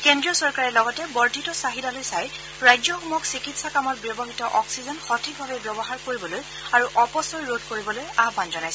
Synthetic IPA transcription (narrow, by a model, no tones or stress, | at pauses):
kɛndɹiɔsɔɹkaɹɛlɔɡɔtɛbɔɹdʱitɔsaɦidalojsaj | ɹajd͡ʒɔxɔmɔksikitsakamɔt̚bjɔbɔɦitɔʔɔksizɔnxɔtʰik̚bʱabɛbjɔbɔɦaɹkoɹibɔloj | aɹuʔɔpɔsɔjɹod̚koɹibɔlojabbanzɔnajsɛ